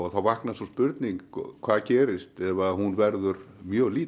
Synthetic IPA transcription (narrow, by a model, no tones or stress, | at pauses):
ɣθawvahknasawspʏɾt̪niŋkkʰv̥aːðcɛːɾɪst̪ɛvahunvɛɾðʏɾ | mjœːɣliːt̪